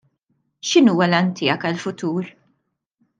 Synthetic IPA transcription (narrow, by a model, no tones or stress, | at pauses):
ʃɪnuːwɐlɐnt̪ʰɪːɐkɐlfʊt̪uːɾ